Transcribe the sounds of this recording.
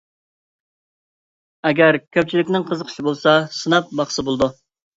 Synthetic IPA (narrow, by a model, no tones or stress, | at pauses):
ɛɡʲæɾkʲʰøp̚t͡ʃʰilɪkʲnɪŋqʰəzəqʰə̥ʃibolˠsɑsɨnɑp̚bɑχsɨbolˠd̪u